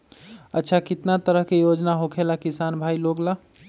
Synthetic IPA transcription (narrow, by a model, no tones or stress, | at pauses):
ətːʃʰakit̪nat̪əɾəɦkejod͡ʒnaɦokʰelakisanbʱailoɡla